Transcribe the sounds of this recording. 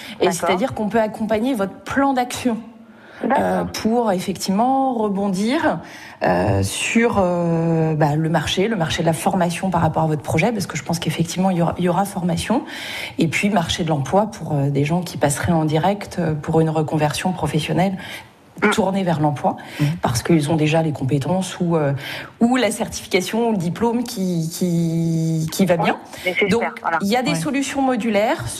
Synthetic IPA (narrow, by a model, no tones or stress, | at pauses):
esɛt̪ad̪iʁkɔ̃pøakɔ̃paɲevɔt̪χəplɑ̃d̪aksjɔ̃ | øpʰuʁefɛkt̪ʰivmɑ̃ʁəbɔ̃d̪iːʁ | ø̰syʁøbaləmaʁʃeləmaʁʃed̪əlafɔʁmasjɔ̃paʁːapɔʁavɔt̪χə̥pχɔʒɛpaʁsə̥kəʒəpɑ̃skefɛkt̪ivmɑ̃ilɔʁiljɔʁafɔʁmasjɔ̃ | epɥimaʁʃed̪əlɑ̃plwapʰuʁød̪eʒɑ̃kʲʰipasχɛɑ̃d̪iʁɛkt̪øpuʁynʁəkɔ̃vɛʁsjɔ̃pχɔfɛsjɔnɛl | t̪uʁnevɛʁlɑ̃plwapaʁsə̥kilzɔ̃d̪eʒalekɔ̃pet̪ɑ̃suøulasɛʁt̪i̥fi̥kasjɔ̃uləd̪iplomkʲikʲʰi | kʲʰivabjɛ̃ | d̪ɔ̃kiljad̪esɔlysjɔ̃mɔd̪ylɛːʁ